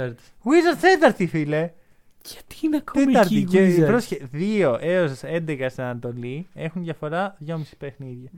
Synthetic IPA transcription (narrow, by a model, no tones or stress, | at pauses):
ɾt̪ | ɣwizɐɾt̪t̪et̪ɐɾt̪ifile | jɐ̥t̪inɐkot̪emt̪ɐɾt̪iepɾosçeðio̞ʔeosɐse̞nd̪ekɐst̪ɐnɐnt̪o̞lie̞xunðjɐfo̞ɾɐðʝo̞misi̥pexniðʝɐ